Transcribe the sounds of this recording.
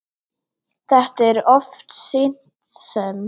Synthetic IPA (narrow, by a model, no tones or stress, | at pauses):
ðad̥ɪɾɔftsɪntsəm